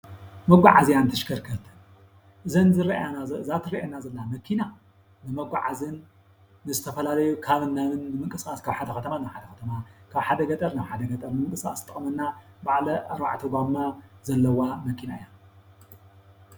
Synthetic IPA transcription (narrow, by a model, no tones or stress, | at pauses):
mɐɡʷaʕazijant̪ʰɨʃkʰɐɾkʰɐt̪ʰɨn | ʔɨzɐnzɨɾɐanɨzat̪ʰɨɾɐʔenazɐlːamɐkʰina | nɨmɐɡʷaʕazɨnː | ɨzɨt̪ʰɐfɐlalɐjukʰaβɨnːamɨnːɨmɨŋkʼɨskʼaskʰaβħad̪ɐxɐt̪ʰɐmanaβħad̪ɐxɐt̪ʰɐmakʰaβħad̪ɐɡɐt̪ʼɐɾnaβħad̪ɐɡɐt̪ʼɐɾmɨŋkʼɨsa̰st̪ʼːɨχʼmɐnːabaʕlɐaɾbaʕt̪ʰubamːazɐlːɐwamɐkʰinaɨja